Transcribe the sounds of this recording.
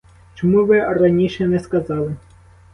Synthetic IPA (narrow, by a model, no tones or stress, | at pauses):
t͡ʃɔmuʋɪrɐnʲiʃɛnɛskɐzɑlˠɪ